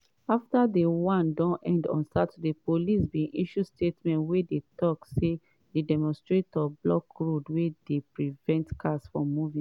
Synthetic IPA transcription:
aftadewãndɔ̃nʔɛ̃ndɔ̰̃nstad̚tudepolisbĩnʔiʃustetmɛ̃ntwedetɔkse | dedɛmɔ̃nstɹetɔblɔkɹodwedepɹivɛ̃ntkʰasfɹɔ̃mːuvĩ

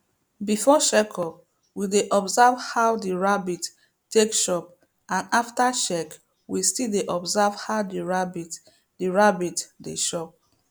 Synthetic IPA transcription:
bifɔʃɛkʰɔp | wideʔɔbzavhaʊdiɹabit | tekʃɔp̚ | ãnaftaʃɛk | wistildeʔɔbzavhaʊdiɹabit | diɹabitdḛʃɔp̚

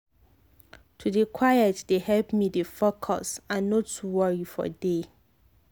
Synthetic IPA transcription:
tʰudekʰwajɛtdehɛlpmidefɔkʰɔ̰sãnːɔtːuwɔɹifɔ̰de

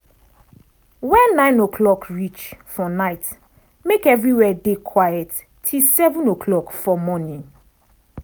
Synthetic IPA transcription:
wɛ̃nːãɪ̃nokʰlɔkɹit͡ʃfɔnaɪt | mekɛvɹiwɛdekʰwajɛt | tʰːisɛvũnokʰlɔkfɔmɔnĩŋ

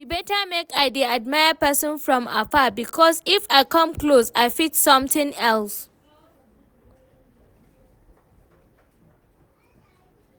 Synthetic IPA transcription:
tubɛtamekaɪdiad̚maɪəpɛsɔ̃nfɹɔ̃ma̰fabikʰɔsifaɪkʌ̃mklosaɪfitsʌ̃mtɪ̃ŋɛls

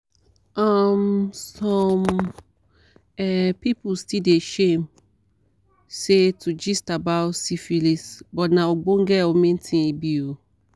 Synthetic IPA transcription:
amsɔ̃m | ɛpipustideeʃẽm | setʰud͡ʒistabaʊtsifilisbɔtnãwoɡ͡bõŋɡɛwomĩntʰĩebio

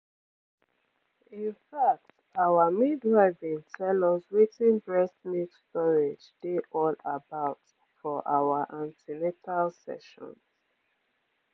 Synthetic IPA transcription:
ĩnfak̚t | awamidɹaɪvĩŋtʰɛlɔswitĩnbɹɛsmikstɔɹed͡ʒd̥eʔɔlabaʊt | fɔʔa̰waʔãntiletʰalsɛ̰ʃɔ̰̃ns

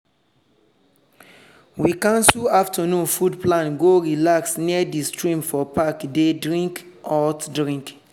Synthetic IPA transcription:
wikãnsuaftʰənũnfudplãnɡoɹilaksniədistɹĩmfɔpakdedɹĩŋk | ʔɔtdɹĩŋk

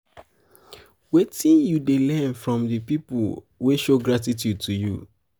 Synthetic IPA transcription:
wetĩnjudelɛ̃nfɹɔ̃mdəpipul | weʃoɡɹatitjud̚tʰuju

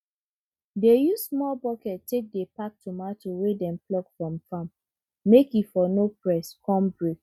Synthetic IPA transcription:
dejusmɔlbɔkɛtʰːek̚depak̚tʰumatuwedɛ̃mplɔkfɹɔ̃mfãmː | ekifɔnopɹɛskʰɔ̃mbɹek

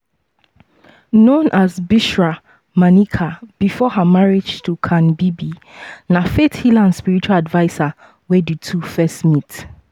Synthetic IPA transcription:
nõnʔazbiʃɹa | mãnikʰab̥ifɔɦamaɹid͡ʒtʰukʰãnbibinãfethilãnspiɹit͡ʃualadvaɪsa | wɛditʰufɛstmĩt

